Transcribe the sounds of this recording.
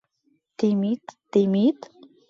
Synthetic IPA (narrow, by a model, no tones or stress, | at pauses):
t̪imit̪t̪imit̪